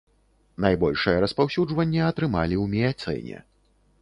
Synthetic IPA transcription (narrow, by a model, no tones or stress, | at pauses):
najbɔlʲʂɨjɐɾɐspawsʲud͡ʐvɐnʲːɐɐt̪ɾɨmalʲiwmʲɛjat̪sɛ̰nʲɛ̰